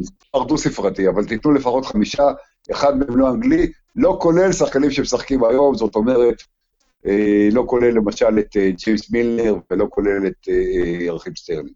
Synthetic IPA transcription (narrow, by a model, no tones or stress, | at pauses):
z | aʁdusifʁatiavalt̪it̪nule̞faχo̞tχamiʃa | eχad̪̚meemloaŋɡli | lo̞ko̞le̞lsaχkanimʃemesaχkimajo̞mzo̞t̪o̞me̞ʁet̪ | elo̞ko̞le̞lːe̞maʃalet̪d͡ʒimsmilneʁvelo̞ko̞le̞let̪ːʁaχimst̪elim